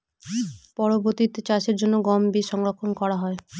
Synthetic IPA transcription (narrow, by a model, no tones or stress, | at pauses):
pɔɾoboɾt̪it̪et͡ɕaʃeɾd͡ʑonːoɡɔmbiʃɔŋɾokʰonkɔɾaɦɔe